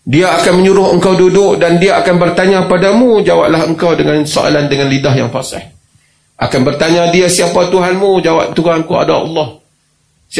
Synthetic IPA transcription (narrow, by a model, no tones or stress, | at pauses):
diaːkanməɲuɾʊɦəŋkawdudʊʔdandiaːkanbərt̪aɲãpadamũd͡ʒawa̰ʔ̚lahɦəŋkawdəŋanso̰ʔa̰landəŋanlidaɦjaŋfasa̰h | ʔakanbərt̪aɲãdiasiapat̪uɦanmũd͡ʒawa̰p̚t̪uɦankua̰daɑ̰lːɔh | s